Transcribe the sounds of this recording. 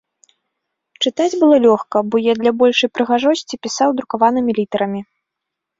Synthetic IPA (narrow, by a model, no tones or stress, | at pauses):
t͡ʂɨt̪ad͡zʲbɨlˠɔlʲɔxkɐbɔjad̪lʲabɔlʲʂɨjpɾɨɣaʐɔsʲt͡sʲipʲisawd̪ɾukavanɨmʲilʲit̪ɐɾɐmʲi